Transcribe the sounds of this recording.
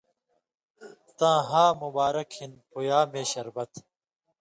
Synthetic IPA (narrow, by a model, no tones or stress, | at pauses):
t̪ãːɦaːmubaːɾɐkhinpujaːmeːɕɐɾbɐt̪